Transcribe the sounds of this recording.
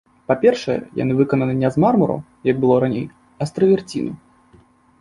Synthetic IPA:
papʲɛrʂɐjɛ̰ja̰nɨvɨkɐnɐnɨnʲɛzmarmɐɾṵ | jɐɡ̚bɨlˠɔɾanʲej | ɐst̪ɾɐvʲɛrt͡sʲḭnu

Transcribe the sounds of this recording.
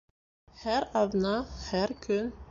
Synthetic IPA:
hæɾɑðnɑhæɾkɵn

